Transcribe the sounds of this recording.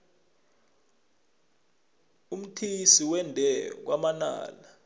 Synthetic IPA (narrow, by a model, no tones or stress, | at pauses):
um̩tʰisiwɛndʱɛk̬wamana̰ːla